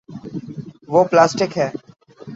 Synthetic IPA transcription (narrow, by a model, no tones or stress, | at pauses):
ʋoːplaːsʈɪkɦɛː